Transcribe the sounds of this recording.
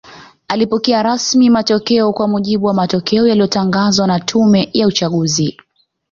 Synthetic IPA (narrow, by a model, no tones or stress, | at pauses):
alipɔkɛaɾasmimatɔkɛɔkwamuʄiɓuwamatɔkɛɔjalijɔtaŋɡazwanatʰumɛjaut͡ʃaɠuzi